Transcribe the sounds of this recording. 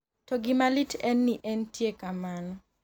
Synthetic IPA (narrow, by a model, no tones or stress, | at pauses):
tɔɡɪmalitʰɛnːiʔɛntjekamanɔ